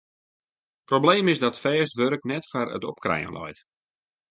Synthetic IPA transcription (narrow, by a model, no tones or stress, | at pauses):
probleːmɪsdɔtfɛːstʋøɾknɛtfarə̰tɔp̚krɛ̰jə̰nlʔɔ̰jt